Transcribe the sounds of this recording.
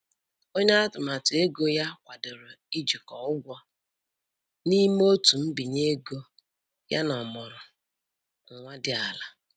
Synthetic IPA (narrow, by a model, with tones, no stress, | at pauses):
o˦ɲa˦a˦tʊ˨ma˨tʊ˨e˦ɡo˦ja˦kʷa˨dʊ˨ɾʊ˨i˦d͡ʒi˨kɔ˨ʊ˦ɡʷɔ˦ | ni˦m˦o˦tu˨m̩˦bi˨ɲe˦ɡo˦ | ja̰˦nɔ˨mɔ˨ɾʊ˨ | ŋ̩˨ŋʷa˦dɪ˦a˨la˨